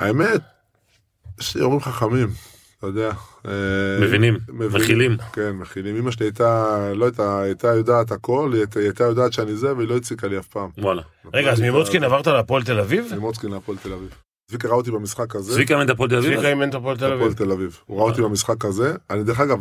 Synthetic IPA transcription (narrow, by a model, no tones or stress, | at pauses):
a̰emet̪̚ | jeʃlio̰ʁimχaχamim | t̪ajod̪eaemevinimmevmeχilimkenmeχilimimaʃ̬eniajt̪aloajt̪aajt̪ajod̪aːt̪̬ako̞ltajt̪ajod̪aːt̪ʃeanizeveilo̞it͡sikaliafpaːmwala̰ʁeɡaːzmimot͡skinavaʁt̪aleapoelt̪̬elavivmimot͡skinleapoelt̪elaviv | zvikeʁaot̪̬ibemisχakazevikament̪apolt̪̬elaviikaiment̪apoelt̪eavolt̪elavivuʁaot̪ibemisχakaze̞anid̪e̞ʁexaɡav